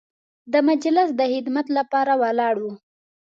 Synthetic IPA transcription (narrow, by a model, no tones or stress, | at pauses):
d̪əmad͡ʒlɪsd̪əhɪd̪mat̪lapɑɾawalɑɽwu